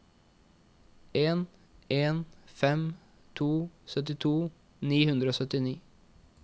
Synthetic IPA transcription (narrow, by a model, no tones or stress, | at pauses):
eːn | ʔeːnfɛm | t̪ʰuːsœt̪ɪt̪ʰuː | niːhʉnd̪ɾəoːsœt̪ɪniː